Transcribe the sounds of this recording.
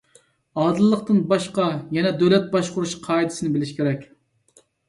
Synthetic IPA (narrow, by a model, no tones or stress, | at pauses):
ɑːd̪ɨlˠːəqt̪ɨnbɑʃqɑjɛnɛd̪ølɛt̪̚bɑʃqʊɾuʃqʰɑːid̪ɪsɪnɪbɪlɪʃkʲʰeɾɛkʲ